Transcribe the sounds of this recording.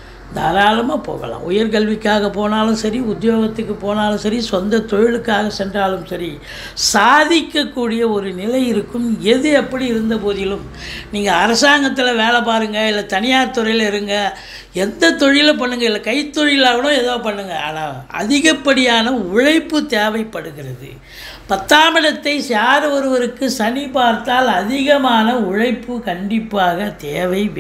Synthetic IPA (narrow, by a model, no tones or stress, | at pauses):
nd̪ɐɾaːlɐmaːpo̰ːɣɐ̰lã̰ːʊjɐɾkɐɭʋɪkːaːɣɐpoːnaːlɯ̃sɐɾiʊd̪joːɣɐt̪ːɯkːɯpoːnaːlɯ̃sɐɾisɔnd̪ɐt̪ɔɻɪlɯkːaːɣɐsɛndraːlɯmsɐɾi | saːðɪkːɐkːuːɽɪjɐɔɾɯnɪlɐɪjɪɾɯkːɯmɛðɯɛpːɐɽiɪɾɯnd̪ɐpoːðɪjɪlɯm | niːŋɡɐːɾɐsaːŋɡɐt̪̬ːɪlɐʋeːlɐpaːɾɯŋɡɐɪlːɐt̪ɐnɪjaːɐt̪ːɔɾɐjlɪɾɯŋɡɐ | ɛnd̪ɐt̪ɔɻɪjɪlɐp̬ɐɳːɯŋɡɐɪlːɐkɐɪt̪ːɔɻɪlaːʋɐɽʊ̃ɛðoːpɐɳːɯŋɡɐa̰ːnaːɐ̰ðɪɣɐpːɐɽɪjaːnɐʊɻɐɪpːɯt̪eːʋɐɪpːɐɽɯɣɪɾɐðɯ̰ | pɐt̪ːaːmɪɽɐt̪ːɐɪsaːɾɯʋɔɾɯʋɐɾɯkːɯsɐnɪpaːɾt̪aːlɐðɪɣɐmaːnɐʊɻɐɪpːɯkɐɳɖɪpːaːɣɐt̪eːʋɐɪʋ